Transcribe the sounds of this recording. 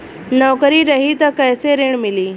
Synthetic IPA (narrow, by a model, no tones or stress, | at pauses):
nɔwkəɾiɾəɦit̪əkəjseɾeɳmiliː